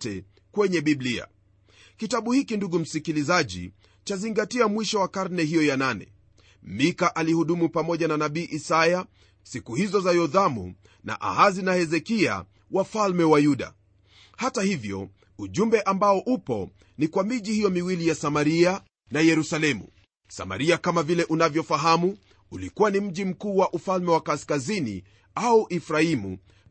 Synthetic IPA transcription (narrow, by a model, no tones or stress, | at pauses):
tɛ | kwɛɲɛɓiblia̰ | kitaɓuhikinduɠum̩sikilizaʄḭ | t͡ʃaziŋɡatiamwiʃɔwakaɾnɛɦijɔjananɛ̰ | mikaʔalihuɗumupamɔʄananaɓiːʔisaja | sikuhizɔzajɔðamṵ | na̰ʔa̰hazinahɛzɛkia̰ | wafalmɛwajuɗa̰ | hatahivjɔ̰ | uʄumbɛʔambaɔʔupɔ̰ | nikwamiʄihijɔmiwilijasamaɾia | najɛɾusalɛmṵ | sa̰ma̰ɾiakamavilɛʔunavjɔfaɦamu | ulikuwanim̩ʄim̩kuːwaʔufalmɛwakaskazinḭ | auʔifɾaimṵ